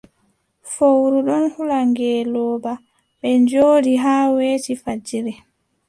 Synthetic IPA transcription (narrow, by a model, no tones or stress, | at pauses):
fowɾuɗɔnhulaŋɡɛːlɔːba | ɓɛɲd͡ʒoːɾiɦaːweːtifad͡ʒiɾɛ